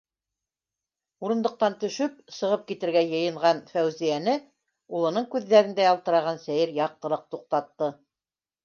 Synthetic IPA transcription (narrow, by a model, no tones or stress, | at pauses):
uɾɤ̆nd̪ɤ̆q̚t̪ɑnt̪ɵ̆ʃɵp̚sɤ̆ʁɤp̚kit̪ɘ̆ɾɡæjɤ̆jɤ̆ɴʁɑnfæwzijænɘ | ulˠɤ̆nɤɴkʉðːæɾɘ̆nd̪æjɑlˠt̪ɤ̆ɾɑʁɑnsæjɘɾjɑq̚t̪ɤ̆lˠɤq̚t̪uq̚t̪ɑt̪ːɤ